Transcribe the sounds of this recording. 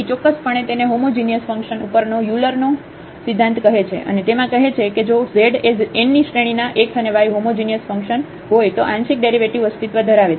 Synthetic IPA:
t͡ʃɔkːəspəɳ̃et̪eneɦomod͡ʒinijəsfə̃ŋkʃənupəɾnojuləɾno | sid̪ʱːãnt̪kəɦet͡ʃʰḛʔə̰net̪emãkəɦet͡ʃʰeked͡ʒozeɖeenːiʃɾeɽ̃inaʔekʰəneʋajɦomod͡ʒinijəsfəŋkʃən | ɦojt̪oʔãnʃik̚ɖeɾiʋeʈiʋəst̪ɪt̪ʋəd̪ʱəɾaʋet͡ʃʰe

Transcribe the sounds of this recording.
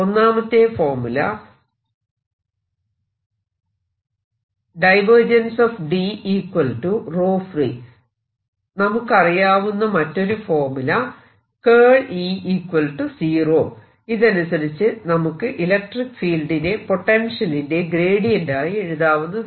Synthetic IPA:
onːaːmɐt̪ːe̞foːrmulɐ̰ | ɖɐjʋɐrd͡ʑɐnsoːfɖiiːkwɐlʈuro̞ːfri | nɐmukːɐrijaːʋunːɐmɐtːo̞ɾufo̞ːrmulɐ | keːɭiːiːkwɐlʈusiːroː | iðɐnusɐɾit͡ɕːɨnɐmukːɨʔilɐk̚ʈrikːɨ̥fiːlɖine̞po̞ʈːenʂɐlinde̞ɡɾe̞ːɽijuɳɖaːjie̞ɻuðaːʋunːɐ

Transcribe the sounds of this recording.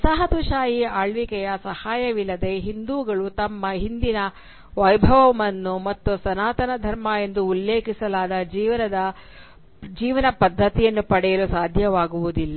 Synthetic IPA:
sɐɦɐt̪uʃaːjiaːɭʋikɛjɐsɐhaːjɐʋilːɐd̪e̞ɦind̪uːɡɐɭut̪ɐmːɐɦind̪inɐ | ʋɐjbʱɐʋɐmɐnːumɐt̪ːusɐnaːt̪ɐnɐd̪ʱɐɾmaːje̞nd̪uːlːeːkisɐlaːd̪ɐd͡ʒiːʋɐnɐd̪ɐ | d͡ʒiːʋɐnɐpɐd̪ʱːɐt̪ijɐnːupɐɽɛjɐlusaːd̪ʱjɐʋaːɡuʋud̪ilːɐ

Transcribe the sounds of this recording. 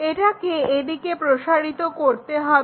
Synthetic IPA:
eʈakeed̪ikepɾoʃaɾit̪okoɾt̪eɦɔ

